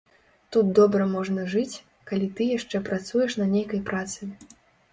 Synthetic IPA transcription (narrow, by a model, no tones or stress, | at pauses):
t̪ut̪̚d̪ɔbɾɐmɔʐnɐʐɨt͡sʲ | kalʲit̪ɨjaʂt͡ʂɛpɾat̪sujɛʂnɐnʲejkɐjpɾat̪sɨ